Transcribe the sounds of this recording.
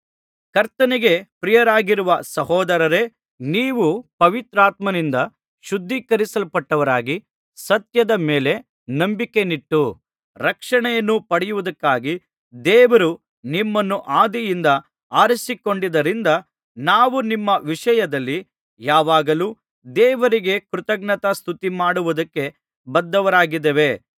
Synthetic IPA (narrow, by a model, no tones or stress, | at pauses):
kɐɾt̪ɐniɡe̞pɾijɐɾaːɡiɾuʋɐsɐɦɔːd̪ɐɾɐɾe̞ | niːʋupɐʋit̪ɾaːt̪mɐnind̪ɐ | ʃud̪ʱːikɐɾisɐlpɐʈːɐʋɐɾaːɡi | sɐt̪jɐd̪ɐmeːle̞ | nɐmbikːe̞niʈːu | ɾɐkʂɐɳɛjɐnːupɐɽɛjuʋud̪ɐkːaːɡi | d̪ɛːʋɐɾu | nimːɐnːuʔaːd̪ijind̪ɐ | aːɾisiko̞ɳɖid̪ɐɾind̪ɐ | naːʋunimːɐʋiʂɐjɐd̪ɐlːi | jaːʋaːɡɐluː | d̪ɛːʋɐɾiɡe̞kɾut̪ɐɡɳɐt̪ɐst̪ʰut̪imaːɽuʋud̪ɐkːe̞ | bɐd̪ːɐʋɐɾaːɡid̪eʋe̞